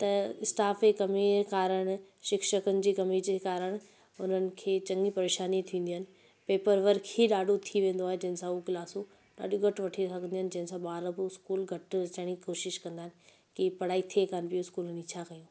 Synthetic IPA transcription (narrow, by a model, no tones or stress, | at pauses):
t̪ɐɪsʈaːfekɐmiekaːɾəɽ̃ | ʃɪkʃəkʊnɪ̆d͡ʑiːkɐmid͡ʑekaːɾəɽ̃ | ʊn̤ənɪ̆kʰeːt͡ɕɐ̃ŋɡipɐɾeːʃaːnit̪ʰĩːn̆d̪iɦənɪ̆ | peːpəɾʋɐɾkʰeɗaːɗʱot̪ʰiʋẽːnd̪oaːɦẽd͡ʑɐɦɪ̃nsãukɪlaːso | ɗa̰ːɗõɡʱɐʈʋɐʈʰisɐkʰə̃nd̪iɦənɪ̆d͡ʑɐ̃ɦɪ̃nsãɓaːɾəboɪskuːlɡʱɐʈt͡ɕɐɽ̃ikoːʃɪʃkɐ̃nd̪aːɦɪnɪ̆ | kɪpɐɽaːit̪ʰiekaːnpijoɪskuːlnit͡ɕʰakɐjũː